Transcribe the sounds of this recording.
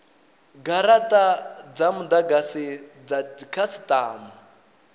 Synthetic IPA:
ɡaɾatʼad͡zamud̪aɡasid͡zaikʰasi̥tʼaːma

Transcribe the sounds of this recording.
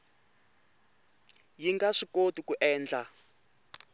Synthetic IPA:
jiŋɡaʂikotukuʔɛːnd͡ɮa

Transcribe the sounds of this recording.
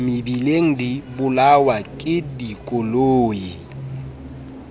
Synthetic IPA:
mɪbileŋ̩dibʊlawakʼɪdikʼoloːji

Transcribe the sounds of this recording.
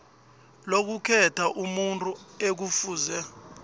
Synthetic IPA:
lok̬ukʰɛtʰaʔumuntʼuek̬ufuːzɛ

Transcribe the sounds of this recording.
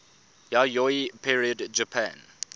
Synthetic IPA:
jajɔipʰiɹiədd͡ʒəpʰã̰n

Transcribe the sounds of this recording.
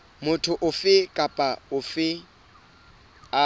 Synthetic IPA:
mʊtʰʊʔʊfɪkʼapʼaʊfɪ | a

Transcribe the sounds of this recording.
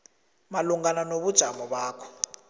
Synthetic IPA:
maluŋɡananoβud̥ʒ̥ʱamɔɓaːkʰɔ̥

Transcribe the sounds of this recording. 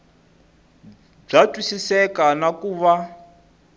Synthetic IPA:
b͡ʐatʼwisisɛkanakuːβa

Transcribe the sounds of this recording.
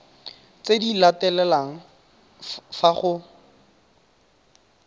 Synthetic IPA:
t͡sedilatɛlɛlaŋ̩ | faχʊ

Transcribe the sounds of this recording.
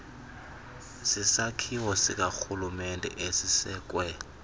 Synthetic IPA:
sisakʰiwɔsik̬axulumɛndʱʼɛ̰ʔesisɛːk̬ʼwɛ

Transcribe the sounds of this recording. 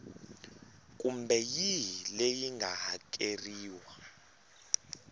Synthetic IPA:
k̬ʼumbɛjilejiŋɡʱaɦak̬ʼeriːwa

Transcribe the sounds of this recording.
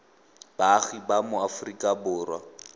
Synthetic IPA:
b̥aɣibamʊafʊrikʼabʊːrwa̰

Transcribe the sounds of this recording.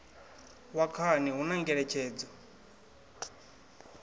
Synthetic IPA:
wakʰaniɦunaŋɡɛɺɛt͡ʃʰɛːd͡zɔ

